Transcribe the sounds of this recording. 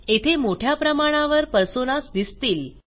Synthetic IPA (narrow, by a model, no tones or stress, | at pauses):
et̪ʰemoʈʰjapɾəmaɽ̃aʋəɾpəɾsonasd̪ist̪iːl